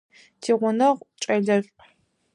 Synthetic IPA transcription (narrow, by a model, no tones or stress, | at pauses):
tʰiːʁʷʊnɐʁʷt͡ʃʼɐɮɐɕʷʼ